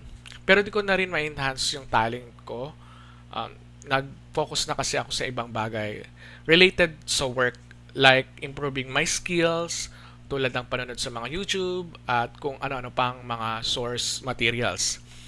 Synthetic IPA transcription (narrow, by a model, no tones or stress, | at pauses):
pɛːɾod̪ɪkonɐɾɪnmɐʔɪnhansjʊŋt̪aːlɪnt̪̚ko̞ | ʔɐ̰m | nɐɡ̚fo̞ːkʊsnɐkɐsɛʔɐko̞sɐʔɪbɐŋbaːɡɐj | ɹɛlejt̪ɛd̪̚sɐwɛɹk̚ | lajk̚ʔɪmpɾuːvɪŋmɐjskɪls | t̪uːlɐd̪̚nɐŋpɐnʊno̞d̪̚sɐmɐŋajuːt̪ub̚ʔɐt̪̚kʊŋʔɐ̰noʔɐno̞pɐŋmɐŋasoɹsmɐt̪iɾiɐ̰ls